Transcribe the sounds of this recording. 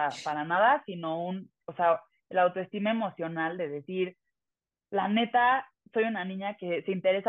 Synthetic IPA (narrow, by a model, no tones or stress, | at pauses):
apaɾanaðasino̞un | osea | elawt̪oe̞st̪imae̞mo̞sjo̞nald̪e̞ðe̞siɾ | lane̞t̪a | so̞junanĩɲake̞seint̪e̞ɾe̞sa